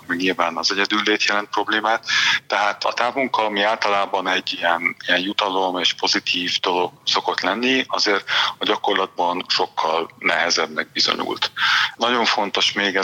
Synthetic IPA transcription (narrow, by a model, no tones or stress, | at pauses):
miɲilvaːnɒzɛɟɛd̪ylːeːt̪jɛlɛnt̪pro̞bleːmaːt̪ːɛɦaːt̪ɒ̰t̪aːvuŋkɒmiaːlt̪ɒlaːbɒnɛɟːijɛnijɛnjut̪ɒlo̞meːʃpo̞zit̪ʰiːvd̪o̞lo̞ɡ̥so̞ko̞t̪lɛnːiɒzeːrt̪ɒɟɒko̞rlɒd̪̚bɒnʃo̞kːɒlnɛɦɛzɛbnɛɡ̚bizo̞̰ɲṵlt̪nɒɟo̞ɱfo̞nt̪o̞ʃmeːɡɛ